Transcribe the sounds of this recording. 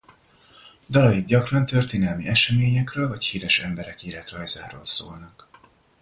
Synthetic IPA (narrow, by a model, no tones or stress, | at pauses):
d̪ɒlɒjiɡ̪ɟɒkrɒnt̪ø̞rt̪eːnɛlmiʔɛʃɛmeːɲɛkrøːlvɒchiːɾɛʃɛmbɛɾɛkiːɾɛt̪rɒjza̰ːɾo̰ːlso̰ːlnɒk